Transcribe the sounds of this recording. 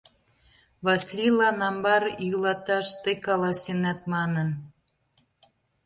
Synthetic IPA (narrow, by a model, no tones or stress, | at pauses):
βɑslʲilɑnɑmbɑɾjylɑt̪ɑʃt̪ekɑlɑsenæt̪mɑnə̆n